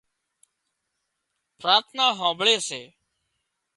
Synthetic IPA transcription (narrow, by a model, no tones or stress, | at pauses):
pɾaːɾt̪ʰnaːɦãːbɭeːseː